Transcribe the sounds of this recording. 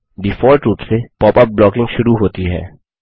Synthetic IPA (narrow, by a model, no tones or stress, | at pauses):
bɪfɔːɾʈɾuːpsepɔːpɐp̚blɔːkɪ̃ŋɡʃʊɾuɦoːt̪iɦɛ̰ː